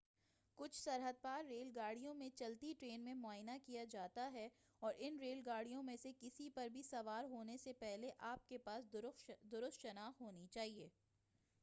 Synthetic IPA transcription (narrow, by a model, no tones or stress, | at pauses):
kʊt͡ʃʰsɐɾɦəd̪̚paːɾːeːlɡaːɽ̤ijõmẽt͡ʃɐlt̪iʈɾeːnmẽmʊaːjnakijad͡ʒaːt̪aɦɛ | ɔːɾʔɪnɾeːlɡaːɽijõmẽsekɪsipɐɾbʱisɐʋaːɾɦoːnesepɛɦleʔaːp̚kepaːsd̪ʊɾʊst̪ʃɐnaːxɦoːnit͡ʃaːɦieː